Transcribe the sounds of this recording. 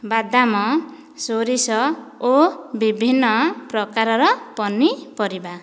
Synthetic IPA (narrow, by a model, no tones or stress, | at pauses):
bad̪amɔ | soɾisɔobibʱinːɔpɾɔkaɾɔɾɔpɔnipɔɾiba